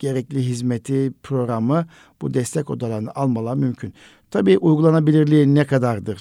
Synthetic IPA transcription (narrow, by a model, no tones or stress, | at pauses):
ɟ̥e̞ɾɛclʲiɦizmet̪ʰipʰɾo̞ɡɾamɯ | b̥ud̪ɛst̪ʰɛco̞d̪alˠaɾɯnaʔalˠmalˠamymcʰyn | t̪ʰabiːʔujɡulˠanabilʲiɾlʲiːnɛkʰad̪aɾd̪ɯɾ̥